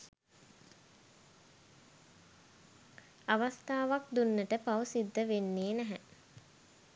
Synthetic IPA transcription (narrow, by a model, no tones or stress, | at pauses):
aʋast̪aːʋak̚d̪unːəʈəpawusid̪ːəʋenːeːnæɦɛ